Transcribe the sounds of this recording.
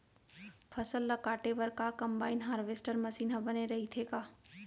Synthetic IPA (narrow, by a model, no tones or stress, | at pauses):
pʰɐsəlːɐkaːʈeʋɐɾkakɐmbaːɪinɦaːɾʋesʈəɾmɐsiːnɦɐ̃bɐneɾɐɦit̪ʰekaː